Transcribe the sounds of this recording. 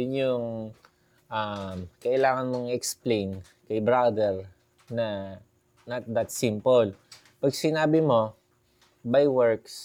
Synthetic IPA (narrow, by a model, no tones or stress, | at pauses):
ʊnjʊŋ | ʔamkɐʔɪlaːŋɐnmoŋɛksplejn | kɐjbɾad̪ɛɹ | nɐ | nɐt̪̚d̪ɐt̪simpol | pɐɡsɪnaːbɪmo̞ | bajwɛɹks